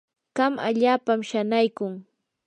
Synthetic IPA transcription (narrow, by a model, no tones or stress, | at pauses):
ɢ̥ɑma̰ʎaːpamʃanajkʊŋ